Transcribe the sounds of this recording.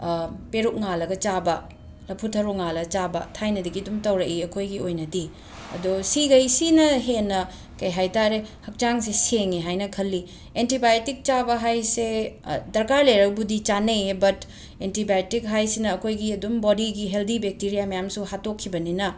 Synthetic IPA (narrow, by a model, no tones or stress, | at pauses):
peɾuk̚ŋalɐɡɐt͡ʃabɐ | lɐpʰutʰɐɾuŋalɐɡɐt͡ʃabɐ̰tʰajnɐdiɡiɐdumtɐwɾɐʔiɐkʰojɡiojnɐdi | ɐ̰dosiɡɐjsinɐɦenːɐ | kɐjɦajtaɾehɐk̚t͡ʃaŋseseŋiɦajnɐkʰɐlːi | entibajtik̚t͡ʃabɐɦajsedɐɾkaɾleɾɐk̚budit͡ʃanejebɐt | entibajtik̚ɦajsinɐːkʰojɡiɐdumbodiɡiɦeldibek̚tiɾijamɐjamsuhatokʰːibɐninɐ